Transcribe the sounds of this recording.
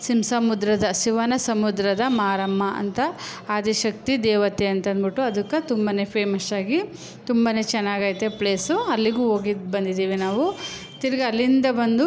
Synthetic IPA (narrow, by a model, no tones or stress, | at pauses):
simsɐmud̪ɾɐd̪ɐʃiʋɐnɐsɐmud̪ɾɐd̪ɐmaːɾɐmːɐʔɐ̰nt̪ɐaːd̪iʃɐk̚t̪id̪ɛːʋɐt̪eɐnt̪ɐnbiʈːuɐd̪ukːɐt̪umbɐne̞pʰeːmɐsaːɡi | t̪umbɐne̞ːt͡ʃɛnːaːɡaːjt̪epleːsuɐlːiɡuːɦo̞ːɡibɐnd̪id̪iːʋinaːʋu | t̪iɾɐɡɐɐlːind̪ɐbɐnd̪u